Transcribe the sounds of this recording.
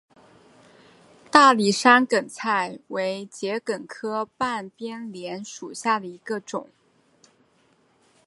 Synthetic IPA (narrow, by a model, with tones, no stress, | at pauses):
t̪a˥˩li˨˩ʂa˥nkə˨˩nt͡sʰa˥˩ɪwe˧˥ɪt͡ɕjɛ˧˥kə˨˩nkʰɤ˥pa˥˩npjɛ˥nljɛ˧˥nʂu˨˩ɕja˥˩d̪ə˩i˧˥ɡə˧ʈ͡ʂʊ̰˨˩˦ŋ